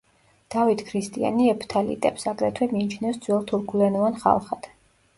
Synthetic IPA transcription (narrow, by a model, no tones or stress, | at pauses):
d̪̥avit̪ʰkʰɾist̪ʼia̰niɛpʰt̪ʰalḭt̪ʼɛpsaɡɾɛt̪ʰwɛmiːt͡ʃʰnɛfsd̪z̥wɛlˠt̪ʰuɾkʰulɛnɔvanχa̰lˠχad̪̥